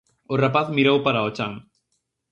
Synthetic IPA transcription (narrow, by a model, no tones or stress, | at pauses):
ʊrapaθmiɾowpaɾaot͡ʃaŋ